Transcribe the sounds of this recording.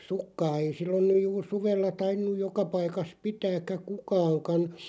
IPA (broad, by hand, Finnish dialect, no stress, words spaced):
sukːɑː ei silːon nyj juːr suʋelːɑ tɑinːuj jokɑ pɑikɑs pitæːkːæ kukɑːŋkɑn̞